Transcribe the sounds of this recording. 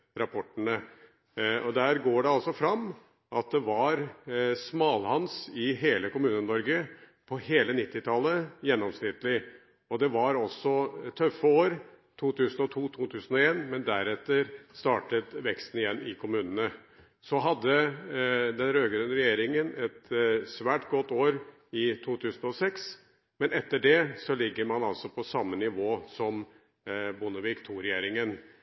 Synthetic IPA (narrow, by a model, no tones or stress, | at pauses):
ɾɑpʰɔʈːənə | ɔd̪æːɾɡoːɖɛɑlsɔfɾɑmː | ʔɑt̪̚d̪ɛʋɑɾsmɑːlhɑnsɪɦeːləkʊmʉːnənɔɾɡə | pʰɔheːlənɪt̪ːɪt̪ʰɑlːəjɛnːɔmsnɪt̪ːlɪ | ɔd̪ɛʋɑɾɔsːɔt̪ʰœfːəoːɾ | t̪ʰuːt̪ʰʉːsn̩ɔt̪ʰuːt̪ʰuːt̪ʰʉːsən̩ɔeːnmɛnd̪æɾɛt̪ːəɾst̪ɑːʈət̪ʋɛkst̪n̩ɪjɛnːɪkʰʊmʉːnənə | sɔɦɑd̪ːə | d̪ɛnɾøːɡɾʉnːəɾɛjeːɾɪŋənɛt̪sʋæːʈɡɔt̪ːoːɾ | ɪt̪ʰuːt̪ʰʉːsn̩ɔsɛks | mɛnɛt̪ːəɖɛsɔlɪɡːəɾmɑnɑlsɔpʰɔsɑmːənɪʋoːsɔm | bʊnəʋiːkt̪ʰuːɾɛjeːɾɪŋən